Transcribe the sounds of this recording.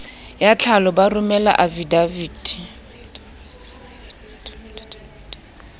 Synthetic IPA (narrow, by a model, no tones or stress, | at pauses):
jat͡ɬʰalɔbarʊmɛla̰ʔavidaviːd̥i